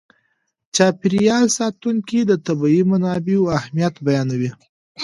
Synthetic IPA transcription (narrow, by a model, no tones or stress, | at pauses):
t͡ʃɑpɪɾijɑlsɑt̪uŋkid̪ət̪abɑimanɑbeoahmijat̪bajɑnawi